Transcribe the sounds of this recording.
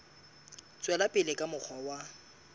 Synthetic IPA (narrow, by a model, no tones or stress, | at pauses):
t͡sʼwɛlapʼɪlɪkʼamʊk͡xʰɔwa